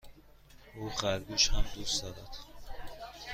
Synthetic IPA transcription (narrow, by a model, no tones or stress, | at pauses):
ʔuːɣæɾɡuːʃhæmd̪usd̪ɒːɾæ̰d̪̥